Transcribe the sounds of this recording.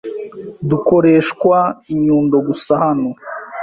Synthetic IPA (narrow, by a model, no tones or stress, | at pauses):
duko̞ɾe̞ːʃkwaiɲuːndo̞ɡusahano